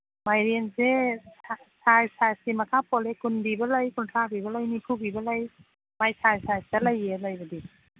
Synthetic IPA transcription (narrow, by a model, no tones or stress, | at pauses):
majɾenze | sajsajsimɐkʰapʰɔlekunbibɐlajkuntʰɾabibɐlajnipʰubibɐlaj | majsajsajsdɐlajːelajbɐdi